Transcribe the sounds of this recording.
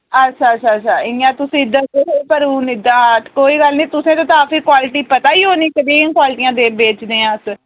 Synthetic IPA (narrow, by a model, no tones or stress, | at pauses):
ətːʃʰaːətːʃʰaːətːt͡ʃʰaːɪjãːt̪ʊsĩːɪd̪əeɦpəɾuːnɪd̪aːt̪koːiːɡəlnĩːt̪ʊsẽːt̪ãːt̪aːpiːkwaːlɪʈiːpət̪aːiːɦoːniːkəɾĩkwaːlɪʈiːãːd̪eːbeːt͡ʃd̪eːãːs